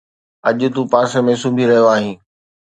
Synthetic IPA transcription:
ɐʄʊ̆t̪ũpaːsəmẽsũːbʱiɾɐɦijoaːɦĩː

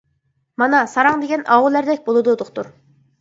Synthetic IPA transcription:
mɑnɑsɑɾɑŋd̪eɡʲɛnɑʁulːæɾd̪ɛkʲbolˠɨd̪ud̪ʊqt̪uɾ

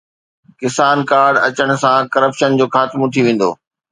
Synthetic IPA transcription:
kɪsaːnkaːɾɖɐt͡ɕəɽ̃ʊ̆sãkɐɾəpʃənd͡ʑoːxaːt̪mõt̪ʰiʋẽːn̆d̪o̰ː

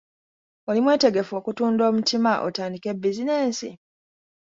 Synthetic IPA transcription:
olimwe̞ːte̞ɡe̞fo̞ːkutuːndo̞ːmutimaʔo̰taːndike̞bːizine̞ːnsḭ

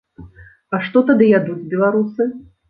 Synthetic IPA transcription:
ɐʂt̪ɔt̪ad̪ɨjad̪ud͡zʲbʲɛlˠaɾusɨ

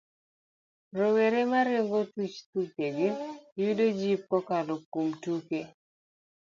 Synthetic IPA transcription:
ɾoweɾemaɾɪoŋɡotut͡ʃt̪ukeɡejudod͡ʒip̚kɔkalokːumtuke

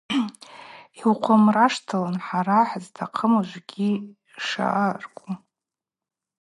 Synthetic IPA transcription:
iwqʷʰamraʂtʰalanħaɾaħztʰaqʰəmaʒʷɡʲi | ʂa̰ʔarkʷʼu

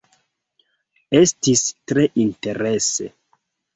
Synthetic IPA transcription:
e̞stistɾe̞ʔinte̞ɾe̞se̞̰

